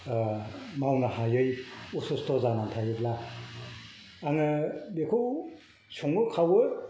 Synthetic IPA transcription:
mawnahajɯjusostɔzanantʰajɯpla | ŋɯbekʰɯw | sʰɔŋɯkʰawɯ

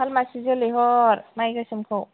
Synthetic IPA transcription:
almasizɔleɦɔɾmajɡasɯmkʰɯw

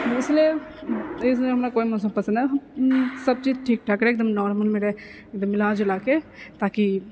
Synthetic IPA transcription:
ɪslie | ɪs̬ɦɐmnakoːimɔːsə̃mpəsənɛɦsɐb̚t͡ʃiːd͡ʒʈʰiːk̚ʈʰaːkɾeːk̚d̪əmnɔːɾməlmeːɽeɪk̚d̪əmɪlaːd͡ʒolaːket̪aːki

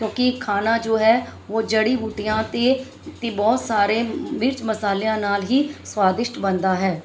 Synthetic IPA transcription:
kjõːkɪkʰaːnaːd͡ʒoːɦɛːʋoːd͡ʒəɽiːɦuːʈijãːt̪eː | t̪eːbɔːt̪saːɾeːmɪɾt͡ʃməsaːlejãːnaːlɦiːswaːd̪ɪʃʈbənd̪aːɦɛː

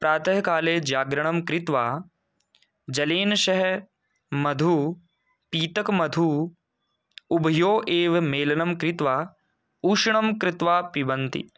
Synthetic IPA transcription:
pɾaːt̪ʰɐɦkaːleːd͡ʒaːɡɾɐɳ̃ɐmkɾɪt̪ʋaː | d͡ʒɐleːnʃɐɦ | mɐd̪ʱuː | piːt̪ɐkmɐd̪ʱuː | ubʱɐjoːʔeːʋɐmeːlɐnɐmkɾɪt̪ʋaː | uːʃɳɐmkɾɪt̪ʋaːpibɐnt̪ḭ

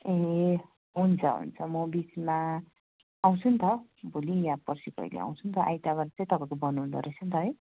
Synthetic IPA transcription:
e | ɦunt͡sʰʌ̰ɦṵnt͡sʰʌmʌbit͡sma | aw̃t͡sʰunt̪ʰʌbʱulijapʌrsikʌ̰jlḭa̰w̃t͡sʰunt̪ʰʌʔa̰jt̪abaɾat͡sʌ̃j̃t̪ʌpãĩkobʌnuːnd̪ʌ̰ɾet͡sʰunt̪ʰʌɦj

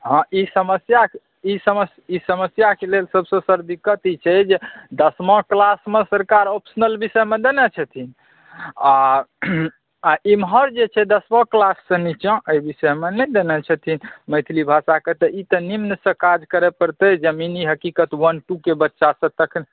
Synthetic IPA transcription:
ɦə̃ʔisəməsja | isəməsisəməsjakelelsəbsə̃səɾd̪ikət̪it͡ʃʰɛd͡ʒed̪əsmɔ̃klasmesəɾkaɾopʰsənəlbisəjmẽd̪enɛt͡ʃʰət̪ʰin | a | aʔimɦəɾd͡ʒet͡ʃʰɛd̪əsmɔ̃klasːə̃nit͡ʃə̃ʔəjbisəjmenəd̪enɛt͡ʃʰət̪ʰinməjt̪ʰilibʱasaket̪əʔit̪ənimnəsə̃kad͡ʒkəɾepəɾt̪əd͡ʒəminiɦəkikət̪wənʈukebətːʃasə̃t̪əkʰn

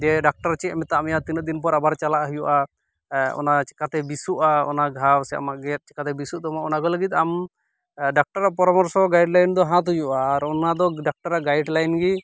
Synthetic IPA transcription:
d͡ʒɛɖak̚ʈaɾt͡ʃɛɛmɛt̪aamɛjat̪inəd̪inp̬ɔɾabaɾt͡ʃalaʔɦujuʔa | ɔ̰nat͡ʃɛ̥kat̪ɛbisuʔaɔ̰naɡʱawsɛaa̰maʔɡɛt̪̚ˀt͡ʃɛ̥kat̪ɛbisuʔd̪ɔmaʔɔnakɔləɡit̪̚am | ɖak̚ʈaɾaʔpɔɾɔmɔɾsɔɡajɖlajnd̪ɔɦãt̪̬ujuʔaːɾɔnad̪ɔɖak̚ʈaɾaʔɡajɖlajnɡi

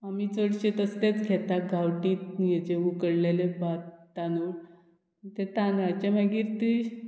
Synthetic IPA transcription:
amiːt͡səɽɕet̪əst̪et͡sɡʱɛt̪aɡʱawʈiːt̪jet͡ɕeukəɽlelebat̪ːanuɽ | t̪et̪anat͡ɕamaɡiɾt̪i

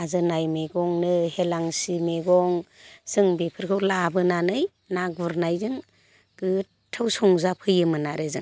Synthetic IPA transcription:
azɯnajmeɡɔŋnɯhelaŋsimeɡɔŋz̥ɯŋbipʰɯɾkʰɯwlabɯnanɯj | naɡuɾnajzɯŋ | ɡ̥ɯ | tʰawsɔŋzapʰɯjɯmɯnaɾezɯ̰ŋ

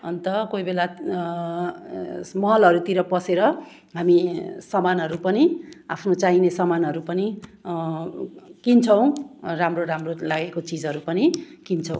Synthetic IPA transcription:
ʌ̰nt̪ʌkoibela | mʌɦʌlʌɾut̪iɾʌpʌseɾʌ | ɦamisʌmanɦʌɾupʌniapʰnot͡sainesʌmanʌɾupʌni | kint͡sʰʌw̃ramroɾamrolaɡekot͡sid͡zʌɾupʌnikint͡sʰʌ̃w̃

